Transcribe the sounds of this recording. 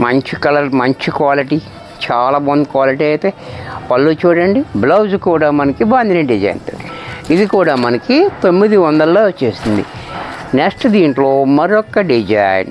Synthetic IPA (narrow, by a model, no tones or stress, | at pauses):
mɐɲt͡ʃikɐlɐɾmɐɲt͡ʃikwaːliʈiː | t͡ʃaːlaːbɐnd̪kwaːliʈiːɐjt̪eːpɐlːut͡ʃuːɽɐɳɖiblɐwzkuːɽaːmɐnɐkibaːnd̪ʱinɐɖid͡ʒɐ̰jɐ̰nt̪ɐ̰id̪ikuːɽaːmɐnɐkit̪omːid̪iʋɐnd̪ɐlːoːt͡ʃːeːsind̪ḭneksʈd̪iːɳʈloːmɐɾiɔkːɐɖid͡ʒɐ̰jn